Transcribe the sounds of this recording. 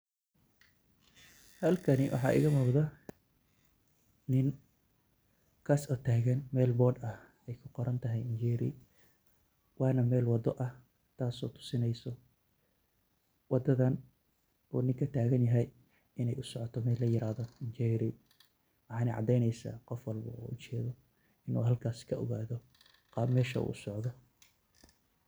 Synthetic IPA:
hɐlkʰɐnɪwʔɑ̰ħɑ̰ːʔɪ̰ɣɐmɔːqðɐ | nɪŋ | kʰaːsɔt̪ʰaːɣɐnmɛːlbɔːrd̪ɐh | ɛjkʰʊqɔɾɐnt̪ʰɐɦɛjɪnd͡ʒɛːɾɪ̰ | wɑːnɐmɛːlwɑd̪ɔʔɐh | t̪ʰaːsɔːt̪ʰʊ̥sɪnɛjsɔ | wɑd̪ɐðɐn | ʔɔːnɪŋkʰɐt̪ʰaːɣɐnjɐɦɛj | ɪnɛjʔʊsɔʕɔt̪ʰɔmɛːlːɐjɪɾaːðɔɪnt͡ʃɛɾɪ | wɑħɑːnɐ̰ʕɑ̰d̪ɛjnɛjsa̰ːqɔfwɑlbɐ̰ṵːʔʊt͡ʃɛːðɔ | ɪnṵːɦɐlkʰaːskʰɐɔ̰ɣaːðɔ | qɑmɛːʃɐ̰ṵːʔʊsɔʕðɔ

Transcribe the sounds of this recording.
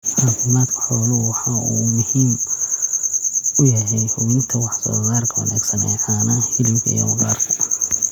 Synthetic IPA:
ʕaːfɪmaːd̪kʰɐ̥ħɔːlɔwɑħɑʔuːmʊhiːm | ʊjɐɦɛjhʊβɪnt̪ʰɐwɑħsɔ̰ːsaːrkʰɐwɐ̰na̰ːɡsɐnɛ̰jħaːnɐhɪlɪɡḭjɔ̰wɐɣa̰ːrkʰɐ

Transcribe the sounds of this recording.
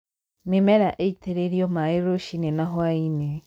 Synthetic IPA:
mimeɾaʔeiteɾeɾijomaiɾoʃinenaɦwaine

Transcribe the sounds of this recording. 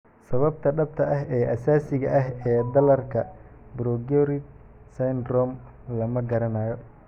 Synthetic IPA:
sɐβɐb̚t̪ʰɐɖɐb̚t̪ʰɐʔɐɦɛːʔɐsaːsɪɣɐʔɐɦɛːd̪ɐlɐrkʰɐbɾɔɡɔɾɪd | sɐjnrɔːm | lɐmɐɡɐɾɐnaːjɔ

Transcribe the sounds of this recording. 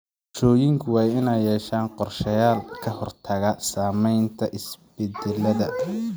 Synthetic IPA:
ʃɔːjɪŋkʰʊwɑːjɪnɛjɛːʃaːnqɔrʃɐjaːlkʰɐhɔrt̪ʰɐɣɐsaːmɛjnt̪ʰɐʔɪsb̥ɛd̪ɛlːɐðɐ

